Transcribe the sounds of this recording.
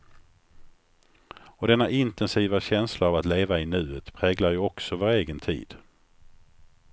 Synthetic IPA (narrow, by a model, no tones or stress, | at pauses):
ɔd̪ɛnːaʔɪnt̪ɛnsiːvaɕɛnslaavat̪leːvaɪnʉ̟ːət̪pʰɾɛːɡlaɾjɵɔksɔvoːɾeːɡənt̪ʰḭːd̪̥